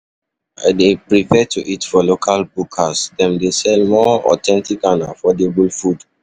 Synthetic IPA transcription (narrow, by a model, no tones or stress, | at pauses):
depɹipɛtʰuʔitfɔlokʰalbukʰasdɛ̃mdesɛlmɔɔ̰tʰɛ̃ntikanafɔdebulfud